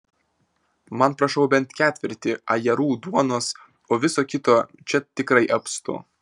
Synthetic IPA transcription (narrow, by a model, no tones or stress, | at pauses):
mɐnpɾɐʃɐʊbʲɛnt̪kʲæːt̪ʲʋʲɪɾʲt̪ʲɪɐjɛɾuːd̪uɔnoːs | oːʋʲɪsoːkʲɪt̪oːt͡ʃʲɛt̪ʲɪkɾɐɪʔɐpst̪ʊ̰